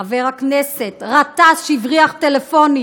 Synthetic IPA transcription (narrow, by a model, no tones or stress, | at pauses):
aveʁhakneset̪ʁat̪asʃivʁiaχt̪elefo̞ni